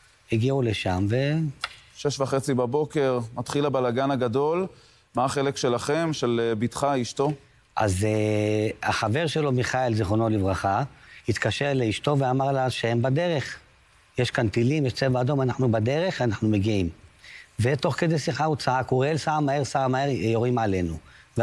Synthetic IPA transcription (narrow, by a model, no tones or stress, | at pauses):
iɡiuleʃamve̞ | ʃeʃvaχet͡sibabo̞ke̞ʁmat̪χilabalaɡanaɡad̪o̞l | maːχelekʃelaχe̞mʃelbit̪χaiʃt̪o̞ | ʔa̰zeaχave̞ʁʃe̞lo̞miχaelzeχono̞livʁaχahit̪kaʃeʁleiʃto̞veamaʁlavʃehembad̪e̞ʁe̞χ | jeʃkant̪ilimjeʃt͡se̞vaad̪o̞manaħnubad̪e̞ʁe̞χanaħnumeɡiimve̞t̪o̞χke̞d̪ejsiχaut͡saʕakuʁelsaʕamaeʁsaamaeʁjo̞ʁimʕale̞nuv